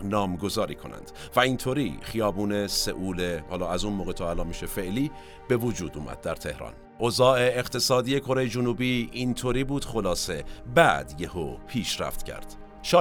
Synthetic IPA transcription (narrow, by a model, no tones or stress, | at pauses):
nɒːmɡo̞zɒːɾḭːkʰo̞̰næ̰nd̪̥ | væint̪ʰoːɾḭːχijɒːbuːnesḛʔuːlehɒːlɒːæzunmoːɣet̪ʰoælɒːnmiʃefe̞ʔliː | b̥e̞vod͡ʒuːd̪ṵːmʔæ̰d̪̚ːæɾt̪ʰe̞hɾɒ̰n | ʔozɒːeːɣ̥t̪ʰe̞sɒːd̪iːje̞kʰo̞ɾe̞jed͡ʒunuːbiːnt̪ʰoɾiːbuːd̪̥χo̞lɒːse̞bæ̰d̪jehopʰiːʃɾæ̰ft̪cʰæ̰ɾd̪̥ | ʃɒː